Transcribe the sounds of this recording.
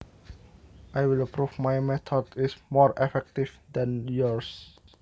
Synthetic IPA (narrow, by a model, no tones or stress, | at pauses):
ʔajwɪləpɾufmajmɛt̪ʰɔdismɔɹɛfɛk̚tifd̪ɛ̃njɔɹs